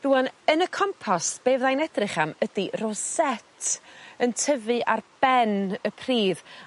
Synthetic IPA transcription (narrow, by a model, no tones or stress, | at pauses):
ðuwɔnənəkʰɔmpʰɔsb̥eːvðajnɛdrɪχamədirɔsɛtʰəntʰəvɨʔarb̥ɛnəpʰr̥iːð